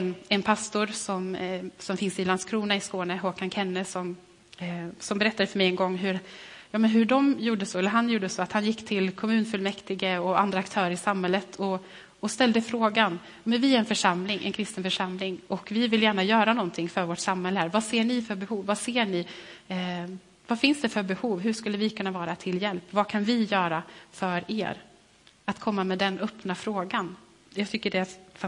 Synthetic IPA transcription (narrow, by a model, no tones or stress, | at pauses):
ɛnɛnpʰast̪ʊɾsɔmsɔmfɪnsɪland̪skʰɾuːnaɪskoːnəɦoːkankʰɛnːəsɔm | sɔmbɛɾɛt̪ːad̪əfœɾmɛjɛnɡɔŋːɦɵɾjɑːmɛnɦɵɖɔmjuːɖəsɔɛlːəɾɦanjuːɖəsɔat̪hanjɪkːt̪ʰɪlkʰɔmʉ̟ːnfɵlmɛkt̪ɪɡəɔa̰nd̪ɾakt̪ʰœːɾəɾɪsamhɛlːət̪ʰɔ | ɔst̪ɛld̪əfɾoːɡanː | mɛnvɪɾɛnfœʂamlɪŋʔɛ̰nkʰɾɪst̪ənfœʂamlɪŋɔkvɪvɪljæːɳajœːɾanɔnt̪ʰɪŋfœɾvoːʈsamhɛlːəhæːɾvaseːɳɪfœɾbɛhuːvːaseːɳɪ | vafɪnsd̪ɛfœɾbɛhuːvɦɵʂkɵlːəvɪkʰɵnːavɑːɾat̪ʰɪljɛlpːvakʰanvɪjœːɾafœɾḛːɾ | at̪kʰɔmːamɛd̪ɛnœpnafɾoːɡan | jɑːɡt̪ʰʏkːəɖɛfa